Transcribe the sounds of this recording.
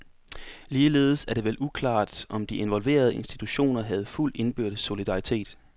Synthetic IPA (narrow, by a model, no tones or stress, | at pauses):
liːle̝ːð̞̩ˠsæɐɾ̥e̝ʋelʔukʰlɑ̰̈ːd̥ʔɒ̽md̥iʔe̝nʋɒ̽lʋe̝̰ːɐð̞ˠe̝nsd̥it͡sʰuɕo̝̰ːnɐɦæð̞̩ˠful̰de̝nb̥yɐ̰ɾ̥ð̩ˠso̝lid̥ɑ̈it͡sʰe̝̰ːd̥